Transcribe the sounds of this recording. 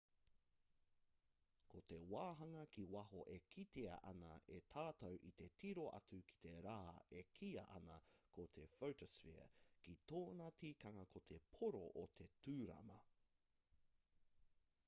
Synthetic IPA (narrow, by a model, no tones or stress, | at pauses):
kot̪e̞waːɦɐŋɐkiwɐɦoʔekʰit̪eɐ̰ʔɐnɐ̰ʔet̪ʰaːtɐwʔit̪e̞tʰiɾoʔɐ̰t͡sukʰi̥t̪e̞ɾaːekʰiɐ̰ʔɐ̰nɐkʰot̪ʰe̞fowtosfḭɐ̰kit̪oːnɐtikɐŋɐkʰo̞t̪ʰe̞pʰoɾo̰ʔot̪ʰe̞tʰʉːɾɐ̰mɐ